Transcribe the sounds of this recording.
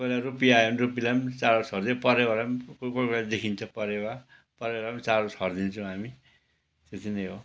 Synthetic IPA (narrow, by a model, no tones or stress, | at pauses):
pʌlarupijaonrupilamt͡saɾosʌɾd̪epʌɾewalamkkokolad̪ekʰint͡sʰʌpʌɾewa | pʌɾealamt͡sarosɦʌrd̪int͡sʰʌw̃ɦami | t̪et̪ʰineɦo